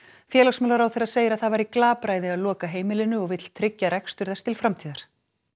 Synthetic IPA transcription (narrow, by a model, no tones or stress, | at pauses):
fjɛːlasmœːlaɾawθeɾaðseːjɾaðθaðvaɾiklaːpɾaːjðɪaðlɔːkaɦeːjmɪlɪnʏɔɣvɪt̪l̥t̪ʰɾɪcːaɾɛkst̪ʏɾθɛst̪ɪlfɾamt̪ʰiːðaɾ̥